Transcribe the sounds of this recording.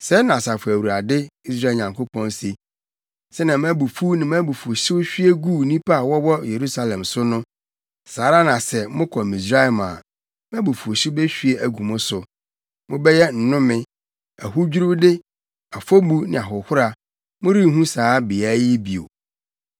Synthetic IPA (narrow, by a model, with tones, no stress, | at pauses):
sɛ˦nã˨sa˨fʊ˨æ˨wu˨ɾa˨dɪ˦i˦s̬ɾa˦˨ɲã˨ŋkʰo˦pʰɔ̃˦nsi˦ | sɛ˦nã˨mæ̃˦bu˨fu˦nɪ̃˨m˦æ̃˦bu˨fu˨o˨ɕɪ˦wɕᶣi˦e˦ɡu˦˨nĩ˦pʰa˦a˨wɔ˦wɔ˦je˨ɾu˦sa˦lɛ̃˨msʊ˦nʊ̃˦ | saː˨˦ɾa˦nã˨sɛ˨mʊ̃˦kʰɔ˨mĩ˨s̬ɾa˦˨mã̰ː˨ | mæ̃˦bu˨fu˨o˨ɕɪ˦bɛ˦ɕᶣi˦e˦ʔæ˨ɡu˨mʊ̃˦sʊ˨ | mʊ̃˦bɛ˦jɛ˦n̩˨nʊ̃˦mɪ̃˦ | æ̰˨ɦʊ˦d͡ʑᶣu˦ɾu˦dɪ˦ | a˨fo˦bu˦nɪ̃˨a˨ɦʊ˨hʊ˦ɾa˨ | mʊ̃˦ɾi˦˨ɦũ˦saː˨˦bɪ˨a˦jɪ˦bi˨o̰˨